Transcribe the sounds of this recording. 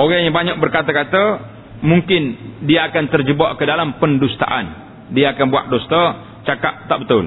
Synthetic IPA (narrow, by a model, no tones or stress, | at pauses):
ʔoɡaɲabaɲak̚bərkat̪akat̪ə | muŋkɪndiaːkant̪ərd͡ʒəbaʔkədalampəndust̪a̰ʔan | diaːkanbua̰ʔ̚dɔst̪ə | t͡ʃakaʔ̚t̪aʔbət̪ʊl